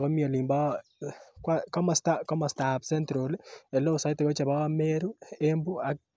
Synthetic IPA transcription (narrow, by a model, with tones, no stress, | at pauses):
ɣo˦mjo˨li˨mba˦ | kwa˦ka˦mastaka˦ma˨stapse˦ntɾole˨lo˦sa˦ite˨ɣo˦t͡ʃa˨βa˦ɣa˦meɾuembu˦a˨